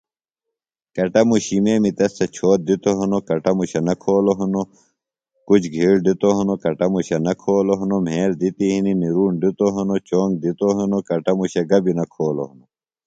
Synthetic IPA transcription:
kɐʈɐmuɕimeːmit̪ɐst̪ɐt͡ɕʰoːt̪̚d̪it̪oɦɐnokɐʈɐmuɕɐnɐkʰoːloɦɐno | kut͡ɕʰɡʱiːɽɖit̪oɦɐnokɐʈɐmuɕɐnɐkʰoːloɦɐnom̤eːld̪it̪iɦininiɾuːnɖit̪oɦɐnot͡ɕoːŋɡ̚d̪it̪oɦɐnokɐʈɐmuɕɐɡɐbinɐkʰoːlo̰ɦɐno

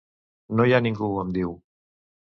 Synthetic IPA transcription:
nojaniŋɡuəmd̪iw

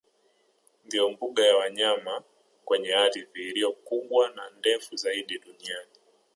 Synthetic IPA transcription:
ndiɔmbuɠajawaɲama | kwɛɲɛaɾiviːɾiɔkuɓwanandɛfuzaiɗiɗuniani

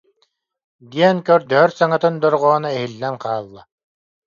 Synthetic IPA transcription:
d̪iɛnkœɾd̪œɦœɾsaŋat̪ɯnd̪ɔɾʁɔːnaɛɦilːɛnqaːlˠːa

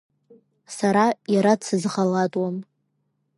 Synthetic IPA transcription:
saɾajaɾasʰɨzʁalatʼwam

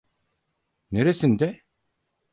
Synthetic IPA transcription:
neɾesind̪ɛ

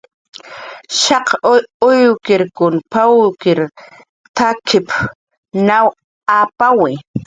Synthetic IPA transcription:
ʃɑqʊjkɪɾkʊnpawkɪɾ | t̪akʰɪp | naw | apawɪ

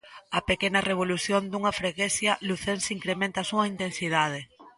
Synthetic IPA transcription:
ɐpekenɐreβ̞oluθjond̪uŋɐfɾeɣeθjɐluθensiŋkɾemẽnt̪ɐasuɐint̪ensiðaðe

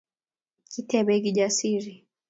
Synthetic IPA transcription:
kitɛbɛɡid͡ʒasiɾi

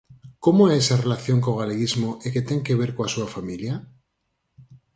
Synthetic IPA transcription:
ko̞moeesare̞laθjo̞ŋkoɣaleɣizmoʔeket̪e̞ŋke̞β̞e̞ɾkoasuafamilja

